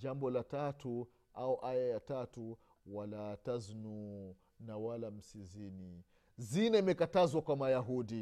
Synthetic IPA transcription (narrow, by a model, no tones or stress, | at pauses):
d͡ʒambɔlatatu | auʔajajatatu | walataznu | nawalam̩sizini | zinaimɛkatazwakwamajaɦudi